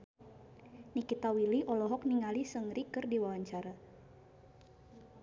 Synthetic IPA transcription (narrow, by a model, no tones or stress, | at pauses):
nikit̪awiliʔɔlɔɦɔk̚niŋalisəŋɾikɨrdiwawaɲt͡ʃaɾa